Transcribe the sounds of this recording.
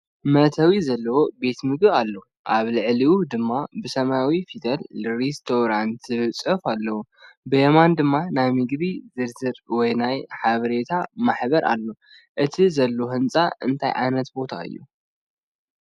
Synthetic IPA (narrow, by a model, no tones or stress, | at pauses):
mɐt̪ʰɐwizɐlːɐwobe̞t̪mɨɡβalːo | ʔaβlɨʕliwud̪ɨmːabɨsɐmawifit̪ʰɐlɾist̪ʰoɾant̪zɨβɨt͡sʼɨfalːɐwu | bɨjemand̪ɨmːanajmɨɡdizɨɾzɨɾwɔjnajħaβɐɾe̞t̪ʰamaħbɐɾʔa̰lːo̞ | ʔɨt̪ʰizɐlːoɦɨnt͡sʼa̰ʔɨnt̪ʰajʕa̰jnɐt̪bo̞t̪ʰa̰ɨ̰jːṵ